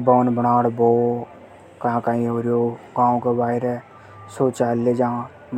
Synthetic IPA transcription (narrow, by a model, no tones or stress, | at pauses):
boːnbəɽaːɽboː | kãkaĩɦoːɾjoːɡãːõkebaːɪɾɛ | soːt͡ʃaːlːed͡ʒãː | m